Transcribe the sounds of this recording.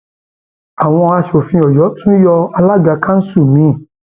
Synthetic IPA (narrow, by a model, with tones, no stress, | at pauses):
a˨w̃ɔ̃˧a˧ʃo˨fĩ˧ɔ˨jɔ˨˦tũ˦jɔ˧a˧la˦ɡa˧˦kã˦n̩˦su˦˨mĩ˨˦˨